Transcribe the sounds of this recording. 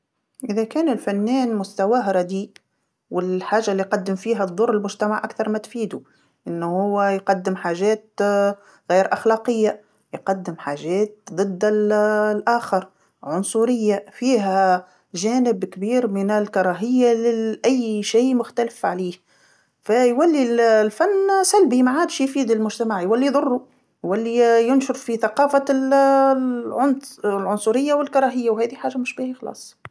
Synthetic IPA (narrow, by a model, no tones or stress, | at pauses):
ʔɪðakæːnɪlfanːɛːnmʊst̪awaɦɾˤɑd̪iːʔ | wɪlħaːʒːalːiqɑd̪ːɪmfiːɦad̪ˤːʊrˤːɪlmʊʒt̪amaʕʔakθɑɾˤmat̪fiːd̪u | ʔɪnːhʊwːɪjqɑd̪ːɪmħaːʒɛːt̪̚ | ɣiːɾʔaxlɑːqɪjːa | jqɑd̪ːɪmħaːʒɛːt̪̚d̪ˤɨd̪ːɪllʔaːxɑɾˤ | ʕʊnsˤuɾɪjːafiːɦæ | ʒæːnɪbkbiːɾmɪnɪlkɑɾˤɑːɦɪjːalɪʔæjːʃiːmʊxt̪ælɪfʕaliːh | fæjwælːillfænːsælbimaʕaːd̪ʃjfiːd̪ɪlmʊʒt̪æmaʕjwælːiðˤʊrˤːu | jwælːijʊnʃʊɾfiθaqɑːfal | ʕʊnlʕʊnsˤʊɾɪjːawɪlkɑɾˤɑːɦɪjːawhɛːðiħaːʒːamʊʃbiːhæxlɑ̰ːsˤ